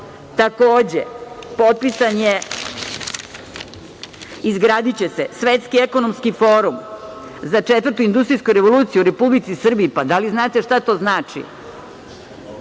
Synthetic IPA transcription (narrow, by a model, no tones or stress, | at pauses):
t̪ako̞ːd͡ʑḛpo̞t̪̚pisanje̞ | izɡɾaːd̪it͡ɕe̞se̞sʋet̪skieko̞nomskifo̞ːɾum | zat͡ʂet̪vəɾ̩rt̪uind̪ust̪ɾijskujɾe̞ʋo̞luːt̪siuɾe̞publit̪sisr̩biipad̪aliznaːt̪eʃt̪at̪o̞ːznaːt͡ʂḭ